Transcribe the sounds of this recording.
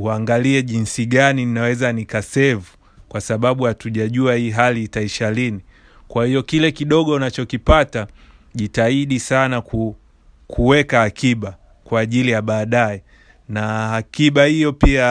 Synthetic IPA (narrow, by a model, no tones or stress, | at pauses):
uaŋɡaliɛʄinsiɠanininawɛzanikasɛvu | kwasaɓaɓuhatuʄaʄuahiːɦaliːtaiʃalini | kwahijɔkilɛkiɗɔɠɔunat͡ʃɔkipata | ʄitaiɗisanaku | kʰuwɛkahakiɓa | kwaːʄilijaɓaːɗaɛ | nahakiɓahijɔpia